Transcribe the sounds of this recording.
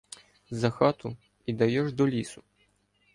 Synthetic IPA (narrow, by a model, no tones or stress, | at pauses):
zɐxat̪ʊ | id̪ɐjɔʐd̪ɔlʲisʊ